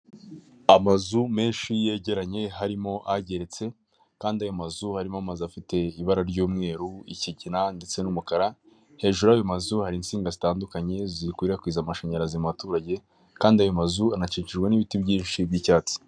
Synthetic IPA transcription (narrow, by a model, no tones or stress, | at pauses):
amazume̞ːnʃije̞ɟe̞ɾaɲe̞ɦaɾimo̞ʔaɟe̞ɾe̞t͡se̞ | kaːndiajo̞mazuhaɾimoamazuafite̞iβaɾaɾɟuːmŋe̞ːɾuḭciɟinande̞t͡se̞numukaɾa | he̞ːʒuɾajomazuhaɾinsiːŋɡazitaːndukaɲe̞zikwiɾiɾakwiːzamaʃaɲaɾazimatuːɾaɟe̞ | kaːndiajo̞mazuanat͡ʃiːɲt͡ʃiʒɡwaniβitibɟiːnʃibjiːcaːt͡si̥